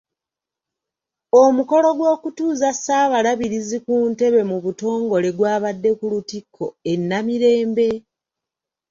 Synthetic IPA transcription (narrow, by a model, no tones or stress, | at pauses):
omuko̞lo̞ɡwo̞ːkutuːzasaːβalaβiɾizikuːnte̞βe̞muβuto̞ːŋɡo̞le̞ɡwaːβadːe̞kulutikʰːo̞e̞nːamiɾe̞ːmbe̞